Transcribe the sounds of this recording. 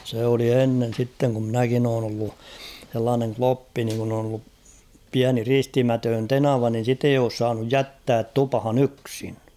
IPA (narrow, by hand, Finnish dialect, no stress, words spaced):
seˑ oli enːen̞ sitːeŋ ku mnækin oːn olːu h̞elːɑːneŋ klopːi niŋ kun on olːup piæni ristimætøːn tenɑʋɑ nin̞ sit ei oːs sɑːnuj jætːæːt tupɑ̆hɑn yksi̥n̥